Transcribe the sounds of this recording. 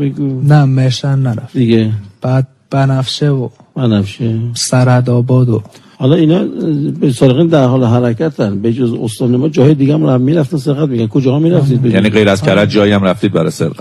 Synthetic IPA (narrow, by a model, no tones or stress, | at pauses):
miɡunæmehʃænːæɾæfd̪̥iɡeb̥æd̪̚ | b̥ænæfʃevob̥ænæfʃesæɾhæd̪ɒːbɒːd̪o | hɒlɒinɒːbesɒːɾeɣiːnd̪æɾɦɒːleɦæɾækʰæt̪ʰænbed͡ʒozost̪ɒːnemɒːd͡ʒɒːhɒːjed̪iːɡæmɾmːiːɾæft̪ænseɾɣæt̪̚miːɡʲænkʰod͡ʒɒːhɒmiːɾæft̪iːd̪̚bejæniːɡejɾæzkʰæɾæd̪̚d͡ʒɒːjiæmɾæft̪iːd̪̚bæɾɒ̰jsḛɾɣæ